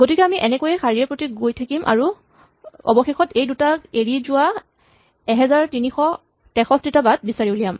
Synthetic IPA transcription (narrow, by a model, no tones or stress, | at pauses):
ɡotikɛamiʔɛnɛkojɛxaɹiɛpɹotiɡojtʰakimʔa̰ɹu | ɔ̰bɔxexɔtejdutaeɹizʊa | ɛɦɛzaɹtinixɔ | tɛxɔstɹitabad̚bisaɹiblijam